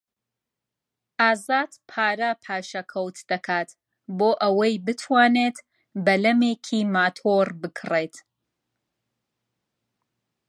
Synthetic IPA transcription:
ʔaːzaːd̪pʰaːɾɐpʰaːʃɐkʰɐwt̪d̪ɐkʰaːt̪ | boːʔɐwɐjbɨt̪ʰwaːneːt̪ | bɐlɐmeːkʰiːmaːt̪ʰoɾbɨkʰret̪

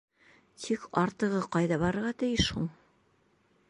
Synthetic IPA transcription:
t̪ʰikɑɾt̪ɤ̆ʁɤqɑjðɑbɑɾɤ̆ɾʁɑt̪ɘ̆jɘʃhuɴ

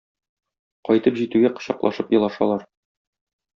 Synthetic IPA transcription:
qɒjt̪ɤpʑit̪ʉɡæqɤ̥̆ɕɑqlˠɑ̰ʃɤpjɤ̆lˠɑʃɑ̰lˠɑɾ

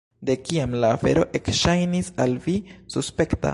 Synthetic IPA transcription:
d̪e̞kiamlaːfe̞̰ɾo̞ʔe̞kʃajnisalvisuspe̞kta̰

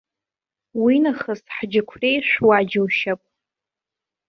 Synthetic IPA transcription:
winaχəsħd͡ʒɪkʷʰrejʂʷwad͡ʒawʃapʼ

